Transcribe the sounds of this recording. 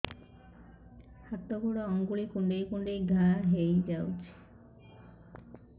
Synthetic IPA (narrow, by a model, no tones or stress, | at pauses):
hat̪ːoɡʱuɽɔɔŋɡuɽikuɳɖejkuɳɖejɡʱaɦejd͡ʒawt͡ʃʰi̥